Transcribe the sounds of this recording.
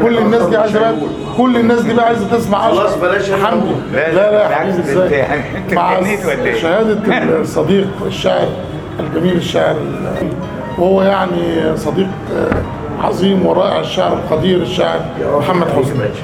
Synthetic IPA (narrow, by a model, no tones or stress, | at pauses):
kolːɪnːæːsd̪iːʕajzæ | kolːɪnːæːs̬d̪iːbæʕaːjzæt̪esmaʕʔæħamd̪ilælæħabiːbezːæːj | maʕʃæhæːd̪æsˤːɑd̪iːqeʃːaʕɾ | ælɡæmiːleʃːaʕɾ | l | whowːæjaʕnisˤɑd̪iːq | ʕɑ̰zˤiːmweɾˤɑːʔḛʕeʃːaʕɾelxɑd̪iːɾɪʃːaʕɾmħamːæd̪ħozmæ